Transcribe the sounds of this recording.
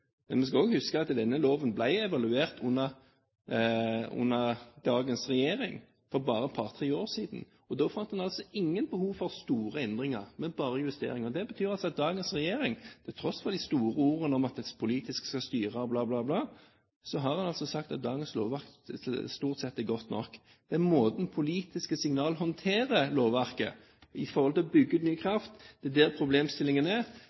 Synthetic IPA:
mɛnmɛns̬kɑoːɡhʉskəɑt̪d̪ɛnːəloːʋənblæɪɛʋɑlʉeːʁt̪ʰʊnːəʁ | ʊ̰nːəʁd̪ɑːɡənsʁɛjeːɾɪ̰ŋ | fɔɾbɑːɾəpʰɑʁt̪ʰʁɪoːɾsiːd̪ən̩ | ɔd̪oːfɑnt̪hɑnɑlsɔɪŋːənbəhuːʋfɔʁst̪uːɾəɛnd̪ʁɪŋəʁmɛnbɑːɾəjʉst̪ḛːɾɪŋɔd̪ɛbət̪ʰyːʁɑlsɔɑt̪̚d̪ɑːɡənsʁɛjeːɾɪŋt̪ʰɛlt̪ʰɾɔsfɔʁd̪ɪst̪uːɾəuːɾənɔmɑt̪̚ɛspʰʊliːt̪ɪskskɑst̪yːʁɑblɑːblɑːblɑː | sɔɦɑʁhɑnɑlsɔsɑkt̪ɑt̪̚d̪ɑːɡənslo̰ːʋæʁkt̪st̪uːʁt̪sɛt̪ːɛɡɔt̪nɔ̰kː | d̪̥ɛæmoːd̪n̩pʰʊliːt̪ɪskəsɪŋnɑːlɦɔnt̪ʰeːɾəloːʋʋæʁkə̰ | ɪfɔɾhɔlt̪ɪlɔbʏɡːʉːt̪nyːəkʰʁɾɑft̪d̪̥ɛd̪æːɾpʰɾʊbleːmst̪ɪlːɪŋənɛ

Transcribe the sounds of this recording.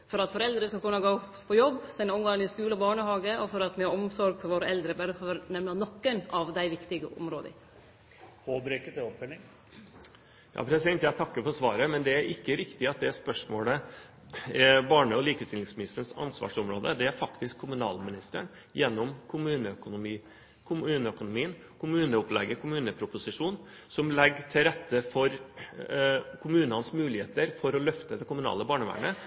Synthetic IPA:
fɔɾɑt̪fɔɾɛld̪ɾəskɑkʉnːɑɡoːppʰɔjɔbːsɛnɔmɡɑŋənɪskʉːləɔbɑːɳəhɑːɡəɔfɔɾɑt̪mɛɔmsɔɾɡfɔɾʋoːɾəɛld̪ɾəbæɾəfɔɾnɛmnɑnɔkːənɑʋd̪æɪʋɪkt̪ɪɡəʔɔ̰mɾoːd̪ə̰ | pʰoːbɾekət̪ɛɔpfœlɪŋ | jɑ̰ːpʰɾɛsɪd̪ɛnt̪jæɪt̪ʰɑkːəfɔɾsʋɑ̰ːɾəmɛnd̪ɛæɾʔɪkːəɾɪkt̪ɪɑt̪̚d̪ɛspœʂmoːlə | bɑːɳəɔliːkəst̪ɪlɪŋsmɪnɪst̪əɳsɑ̰nsʋɑ̰ːʂɔmɾoːd̪əd̪ɛæɾfɑkt̪ɪskʰːʊmʉnɑ̰ːlmɪnɪst̪əɳ | jɛnːɔmkʰʊmʉːnəœkʊnʊmiː | kʰʊmʉːnəœkʊnʊmiːən | kʰʊmʉːnəʊplɛɡːəkʰʊmʉːnəpʰɾʊpʊsɪʂuːn | sɔmlɛɡːʈ̪ʰɪlɾɛt̪ːəfɔɾ | kʰʊmʉːnəɑnsmʉːlɪheːt̪əɾfɔɾɔlœft̪əd̪ɛkʊmʉnɑ̰ːləbɑːɳəʋæ̰ːɳə

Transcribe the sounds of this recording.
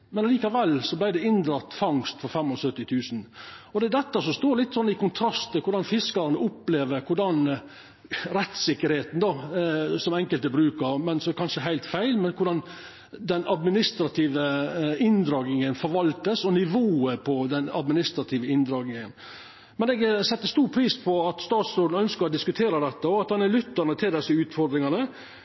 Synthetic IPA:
mɛnɑliːkɑʋɛlːsɔblæɪd̪ɛɪnd̪ɾɑt̪ːfɑŋst̪fɔɾfɛmːɔsœt̪ːɪt̪ʰʉːsnɔd̪ɛd̪ɛt̪ːəsɔst̪oːɾlɪt̪ːsɔnːɪkʰʊnt̪ʰɾɑst̪ːɪkʊɾɖɑnfɪskɑɾɑnəʔʊpːleːʋəɾkʰʊɖɑn | ɾɛt̪sɪkːəɾheːt̪n̩d̪ɑsɔmɛŋkəlt̪əbɾʉːkəɾmɛnsɔkʰɑnʂəɦæɪlt̪fæɪlmɛnkʰʊɖɑn | d̪ɛnɑd̪mɪnɪst̪ɾɑt̪ʰiːʋəɪnd̪ɾɑːɡnɪŋənfɔɾʋɑlt̪əsɔnɪʋoːəpʰɔd̪ɛnɑ̰d̪mɪnɪst̪ɾɑt̪ʰiːʋəɪnd̪ɾɑːɡnɪŋən | mɛnɛɡsɛt̪ːəst̪uːɾpʰɾiːspʰɔɑt̪st̪ɑːt̪sɾoːd̪n̩œnskəɾɔd̪ɪskʉt̪ʰeːɾəd̪ɛt̪ːəɔɑt̪hɑnælʏt̪ːəɳət̪ʰɪld̪ɛsːəʉːt̪fɔɾd̪ɾɪŋɑnə

